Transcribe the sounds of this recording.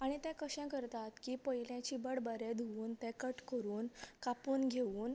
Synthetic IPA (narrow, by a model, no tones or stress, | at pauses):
aɽ̃it̪ɛ̃kəɕɛ̃kəɾt̪at̪kiːpəjljãt͡ɕiːbəɽbəɾed̪ʱuuːnt̪ɛ̃kəʈkəɾuːnkapuːnɡʱeʋuːn